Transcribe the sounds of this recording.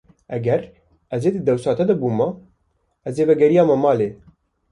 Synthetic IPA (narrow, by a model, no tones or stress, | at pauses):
ʔɛɡɛɾ | ɛzeːd̪ɨd̪ɛwsɑːt̪ɛd̪ɐbuːmɐ | ɛzeːvɛɡɛɾijɑːmɐmɑːleː